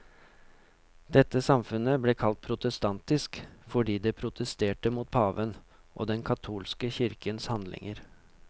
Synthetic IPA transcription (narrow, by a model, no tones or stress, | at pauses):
d̪̥ɛt̪ːəsɑmfʉnəbleːkʰɑlt̪̚pʰɾʊt̪əst̪ɑnt̪ɪskfɔɖiːd̪ɛːpʰɾʊt̪ʰəst̪eːʈəmuːt̪̚pʰɑːʋən | ʔo̰ːd̪ɛnkʰɑt̪ʰuːlskəçʏɾkənshɑnd̪lɪ̰ŋəɾ